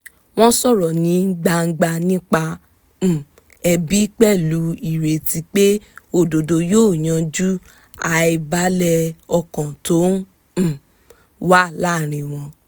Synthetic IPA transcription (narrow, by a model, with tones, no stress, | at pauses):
w̃ɔ̃˦sɔ˦˨ɾɔ˨nĩ˨˦n̩˦ɡ͡ba˧ŋ̩˦ɡ͡ba˧nĩ˦k͡pã˧˨ | ɛ˧bi˨˦k͡pɛ˦˨lu˨˦i˨ɾe˨ti˧k͡pe˦o˧˨do˨do˧joː˦˨j̃ã˧d͡ʒu˦ | a˧i˧ba˨˦lɛ˧ɔ˧kɔ̃˨to˨˦ñ̩˦˨ | wa˦la˦˨ɾ̃ĩ˧w̃ɔ̃˧